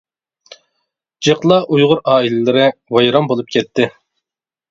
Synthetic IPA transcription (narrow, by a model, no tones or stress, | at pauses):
d͡ʒeqlˠɑʔujʁʊɾɑːilɪlɪɾɪwɑjɾɑmbolˠup̚kʲʰɛt̪ʰːɪ